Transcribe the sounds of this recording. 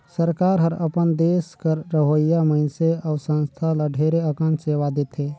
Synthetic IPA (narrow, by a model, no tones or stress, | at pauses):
səɾkaːɾɦəɾə̰pənd̪eːskəɾːəɦəjaməɪnseaʊsə̃nst̪ʰaləɖʱeɾeəkə̃nseʋad̪et̪ʰe